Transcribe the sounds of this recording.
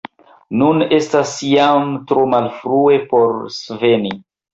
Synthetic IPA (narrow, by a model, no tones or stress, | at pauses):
nune̞stasjamtɾomalfɾue̞po̞ɾsve̞ni